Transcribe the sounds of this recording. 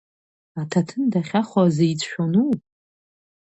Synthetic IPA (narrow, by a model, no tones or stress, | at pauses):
atʰatʰɨndaχʲaχʷazejt͡sʰʼʃᶣʷanu